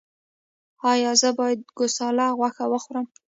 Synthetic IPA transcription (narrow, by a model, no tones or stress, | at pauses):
ɑjɑzəbɑjad̪̚ɡosɑlɑɣwaxawəxɾəm